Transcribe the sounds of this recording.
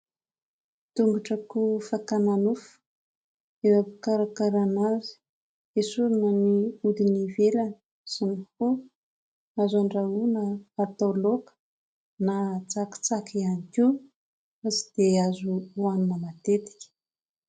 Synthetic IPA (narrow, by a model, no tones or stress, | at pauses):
t̪uŋɡaʈ͡ʂəkufakananufu̥ | evapukaɾakaɾanazi̥ | esuɾinəniud̪inivelanə | sanku | azaɳɖ͡ʐaunəːrt̪olokə̥ | nat͡saki̥t͡sakianiki | asi̥d̪̥eazuuaninəmat̪et̪i̥kʲə̥